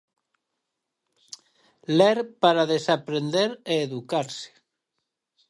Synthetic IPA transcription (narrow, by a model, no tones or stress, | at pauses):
leɾpaɾaðesapɾend̪eɾeːðukaɾse̥